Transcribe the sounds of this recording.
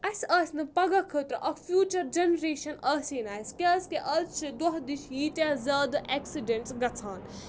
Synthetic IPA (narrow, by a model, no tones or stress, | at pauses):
ɐsɐːsʲnɨpɐɡakʰəːt̪ɾ̰ʔɐkfʰjuːt͡ʃɐɾd͡ʒenɾeːʃɐnɐːsiːnaːjskʲɐːskeʔɐːt͡ʃʰid̪wɐɦd̪iʃjiːt̪ʲaːzʲaːd̪ɐʔɛksiɖeɳʈsɡɐt͡sʰaːn